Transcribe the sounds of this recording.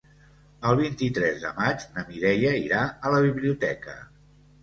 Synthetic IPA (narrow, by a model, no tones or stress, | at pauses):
əlˠβ̞int̪it̪ɾɛzðə̰mad͡ʒnəmiɾɛʎəiɾaələβ̞iβliut̪ɛkə̰